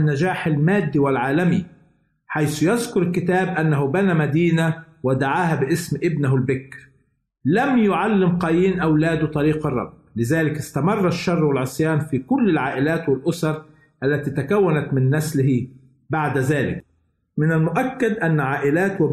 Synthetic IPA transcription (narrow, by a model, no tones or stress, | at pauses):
nːad͡ʒaːħalmaːd̪ːiwɪlʕaːlami | ħajsʊjazkʊɾɪlkɪt̪aːbʔanːaɦʊbanamad̪iːna | wɪd̪aʕaːɦabɪʔɪsmʔɪbnaɦalbɪkɾ | lamjʊʕalːɪmqɑjiːnʔawlaːd̪ʊt̪ˤɑɾiːqɑrˤːɑ̰b̚ːlɪzaːlɪkɪst̪amɑrˤːɑʃːɑrˤːwɪlʕʊsˤjaːnfikʊlːɪlʕaːʔɪlaːt̪wɪlʔʊsɑɾˤ | ʔalːat̪iːt̪akawːanat̪mɪnːaslɪhi | baʕd̪azaːlɪ̰k̚ | mɪnalmʊʔakːad̪ʔanːaʕaːʔɪlaːt̪wɪ